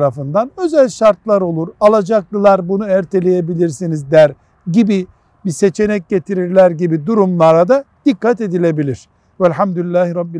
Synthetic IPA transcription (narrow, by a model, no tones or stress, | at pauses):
ɾafɯnd̪anø̞zælʲʃaɾt̪̚lˠaɾo̞lˠuɾalˠad͡ʒaklˠɯlˠaɾbunuæɾt̪ʰe̞lʲe̞jebilʲiɾsinizd̪æɾ | ɟibi | bise̞t͡ʃʰe̞nɛc̚ɟe̞t̪ʰiɾiɾlʲæɾɟibid̪uɾumlˠaɾad̪ad̪̥ikːat̪e̞d̪ilʲe̞bilʲiɾ̥ | vælʲɦamd̪ulʲilʲːaːhiɾɑb̚bi